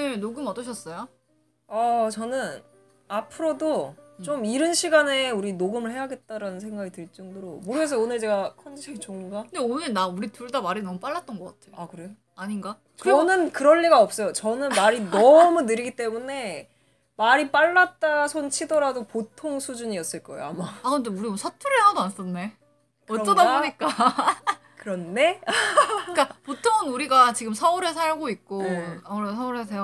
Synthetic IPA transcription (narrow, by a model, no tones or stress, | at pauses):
nenoɡɯmʌdʌɕ̬ʰʌs͈ʌjo | ʌt͡ɕʌnɯn | apʰɯɾodot͡ɕ͈omiɾɯnɕʰiɡane̞uɾinoɡɯmɯɭhe̞ɦaɡe̞t̚t͈aɾanɯnsʰe̞ŋɡaɡitɯɭt͡ɕ͈ʌŋdoɾomoɾesʰʌonɯɭt͡ɕe̞ɡakʰʌnd͡ʑiɕʰet͡ɕʌŋuɡaɯndeonɯɭnauɾituɭdamaɾinʌmup͈aɭːat̚t͈ʌnɡʌk͈atʰejoakɯɾe̞jo | aɲiŋɡa | ʌnɯnkɯɾʌnːiɡaʌp̚s͈ʌjot͡ɕʌnɯnmaɾinʌmunɯɾiɡit͈e̞mune̞ | maɾip͈aɭːat̚t͈asʰont͡ɕʰidʌɾadopotʰoŋsʰud͡ʑuɲiʌs͈ɯɭk͈ʌḛoa̰maakɯɾʌnde̞uɾisʰatʰɯɾɯɭhadoans͈ʌnːe̞ | kʌt͡ɕ͈ʌdaoɲik͈a | kɯɾʌnde | k͈apotʰoŋɯnuɾiɡat͡ɕiɡɯmsʰauɾesʰaɭɡoik̚k͈oauɾesʰʌuɾes̬ʰejo